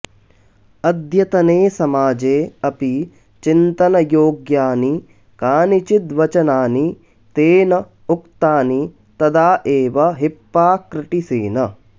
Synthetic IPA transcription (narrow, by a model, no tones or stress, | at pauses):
ɐd̪ʱjɐt̪ɐneːsɐmaːd͡ʒeːɐpi | t͡ʃint̪ɐnɐjoːɡjaːni | kaːnit͡ʃid̪ʋɐt͡ʃɐnaːni | t̪eːnɐ | ukt̪aːni | t̪ɐd̪aːʔeːʋɐɦipːaːkɾɪʈisiːnɐ